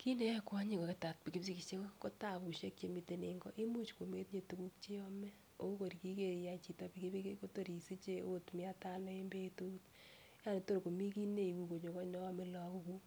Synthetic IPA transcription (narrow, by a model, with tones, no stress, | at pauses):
ki˦ne˦kwa˦ɲi˦ko˨ke˨ta˨t̚pi˨ki˦psi˦ki˨t͡ʃe˦ko˦ko˦ta˨bu˨ʃe˦kje˨mite˨ne˨ŋɡɔ̰˦ʔi˦mu˦t͡ʃko˨me˦tɲe˨tu˨ku˦k̚t͡ʃe˦ɔmɛ˦ | o̰o˦ko˨ɾi˨ki˦ke˨ja˨t͡ʃi˨ta˨pikebe˦kko˦to˦˨ɾi˨si˦t͡ʃe˦o˦tmia˦ta˦lɔ˦e˦mbe˦tu˦ut | ja˦ne˨to˦ɾko˨mi˦ki˦ne˦iku˨ko˨ɲo˨kɔ˦ɲɔ˦a˦me˨lɔ˨ku˧ku˦